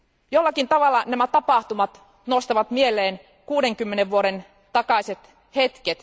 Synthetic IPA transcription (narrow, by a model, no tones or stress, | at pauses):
jolːɑkint̪ɑʋɑlːɑnæmæt̪ɑpɑˑht̪umɑt̪ | nost̪ɑʋɑt̪mielːˑeːn | kuːdeŋkymːeneʋʋuoɾen | t̪ɑkɑˑiset̪ | het̪ket̪